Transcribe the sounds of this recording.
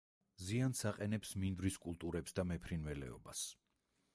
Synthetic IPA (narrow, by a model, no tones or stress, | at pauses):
ziansaqʼɛnɛpsmind̪ɾiskʼulˠt̪ʼuɾɛpsd̪amɛpʰɾinvɛlɛ̰ɔ̰bas